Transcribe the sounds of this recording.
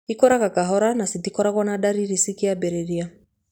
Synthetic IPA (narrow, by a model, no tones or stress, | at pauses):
ikɔɾakakaɦɔɾanasitikɔɾakwɔnaɗaɾiɾisikiabɛɾɛɾia